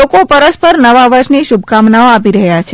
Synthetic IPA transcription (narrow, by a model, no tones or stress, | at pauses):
okopəɾəspəɾnəʋaʋəɾʃniʃubʱkamnaoapiɾəɦjat͡ʃʰ